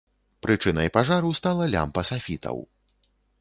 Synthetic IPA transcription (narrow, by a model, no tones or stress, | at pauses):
pɾʔɨt͡ʂɨnɐ̰jpaʐaɾuwst̪alˠɐlʲa̰mpɐsafʲit̪ɐ̰w